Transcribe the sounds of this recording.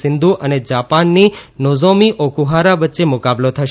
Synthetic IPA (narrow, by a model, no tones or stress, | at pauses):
sɪnd̪ʱuʔəned͡ʒapanːinozomiʔokuɦaɾaʋətːʃemʊkablot̪ʰəʃ